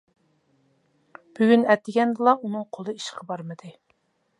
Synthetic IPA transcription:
b̥yɡʲynɛt̪ːɪɡʲɛnd̪ɨlˠɑunɨŋqʰolˠɨiʃqʰɑbɑɾmɨd̪ɨ

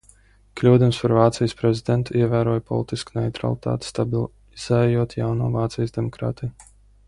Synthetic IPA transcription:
klʲuːd̪umspaɾvaːt̪sijspɾɛzid̪ɛnt̪uiɛvæːɾuɔjpɔ̰lˠit̪iskunɛjt̪ɾa̰lˠit̪a̰ːt̪ʲst̪ab | z̥ɛjuɔt̪ja̰wnuːvaːt̪sijsd̪emɔkɾa̰ːt̪i

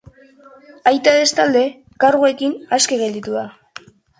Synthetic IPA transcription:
ajt̪aðe̞st̪ald̪e̞ | kaɾɣue̞kinaskeɣe̞ld̪it̪uða

